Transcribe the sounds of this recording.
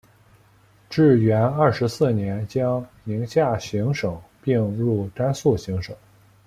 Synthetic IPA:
ʈ͡ʂɻ̩˥˩ɥɛ˧˥nɐ˥˩ʂɻ̩˧˥sɹ̩˥˩njɛ˧˥nt͡ɕjɑ˥ŋmi˧˥ŋɕja˥˩ɕi˧˥ŋʂɤ˨˩˦ŋpi˥˧ŋɻu˥˩t̪a˥nsu˥˩ɕi˧˥ŋʂɤ˨˩˦ŋ

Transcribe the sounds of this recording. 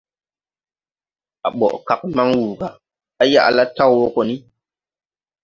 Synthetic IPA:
a˨ɓɔ̰˨ʔka˨k̚ma˦ŋwuː˨ɡa˨ | a˦ja̰˦˨ʔla˦ta˦wwo˦ko˨ni˦

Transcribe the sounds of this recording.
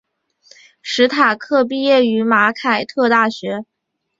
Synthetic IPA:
ʂɻ̩˧˥t̪ʰa˨˩kʰɤ˥˧p̬i˥˧jɛ˥˩y˧˥ma˧˥kʰa˨˩ɪt̪ʰɤ˥˧t̪a˥˩ɕɥɛ˧˥

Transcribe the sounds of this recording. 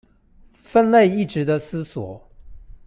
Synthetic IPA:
fə˥˧nle˥˧ɪi˥˩ʈ͡ʂɻ̩˧˥d̪ə˧sɹ̩˥swɔ˨˩˦

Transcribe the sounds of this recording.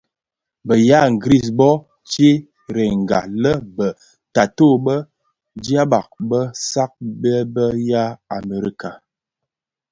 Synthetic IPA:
bə˨ja˦ŋ̩˨ɡɾi˦˨s̬bɔ˦ | t͡ʃe˦ | ɾe˨ŋ̩˨ɡa̰˨lə˦bə˨ | ta˨to˦˨bə˦ | di˦a˦ba˨k̚bə˦sa˦k̚bɛ˦bə˦ja˦a˨me˨ɾḭ˦ka˨

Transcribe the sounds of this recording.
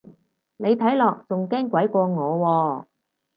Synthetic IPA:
ne˨˧jt̪ʰɐ˨˥jlɔː˨k̚t͡sʊ˨ŋkɛː˥ŋkʷɐ˨˥jkʷɔː˧ŋɔː˨˧wɔː˧

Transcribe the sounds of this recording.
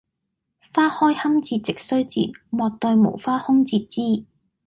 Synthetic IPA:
faː˥hɔː˥jhɐ˥mt͡siː˧t̚t͡sɪ˨k̚sɵ˥ɥt͡sḭː˨t̚mɔː˨˧t̚t̪ɔ˧jmo̰˨˩wfaː˥hʊ˥ŋt͡siː˧t̚t͡siː˥

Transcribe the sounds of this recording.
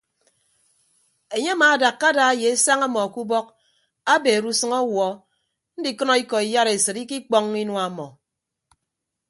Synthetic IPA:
e˨ɲe˦maː˨da˨kːa˦da˨e˦je˨e˦sa˦ŋa˦mɔ˨a˨ku˦bɔ˦k̚ | a˦be˨ɾu˦sɨ˦ŋɔ˦wɔ˨ | n̩˦di˨kɨ˦nɔ˦i˦kɔ˨i˨ja˦ɾe˨sɨ˨i˦ki˦k͡pɔ˦ŋːi˦nwa˨˦mɔ˨

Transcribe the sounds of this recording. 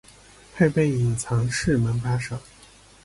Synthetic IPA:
pʰe˥˧ɪpe˥˩ɪi˨˩ŋt͡sʰɑ˧˥ŋʂɻ̩˥˩mə˧˥nfa˥ʂɤ˨˩˦ŋ

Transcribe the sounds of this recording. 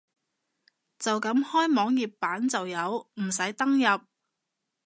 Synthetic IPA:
t͡sɐ˨wkɐ˨˧˥mhɔː˥jmɔː˨˥ŋji˨pːaː˨˥nt͡sɐ˨wjɐ˨˧wm̩˨˩sɐ˨˥jt̪ɐ˥ŋjɐ˨p̚

